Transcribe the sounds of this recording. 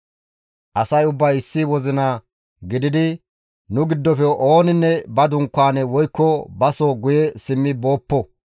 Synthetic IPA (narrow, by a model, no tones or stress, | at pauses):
ʔɐsɐjʊbːɐjɪsːɪwɔzɪnaː | ɡɪd̪ɪd̪ɪ | nʊɡɪd̪ːɔfɛʔoːnɪnːɛbɐd̪ʊŋkːaːnɛwɔjkːɔbɐsoɡʊjɛsɪmːɪbo̞ːpːɔ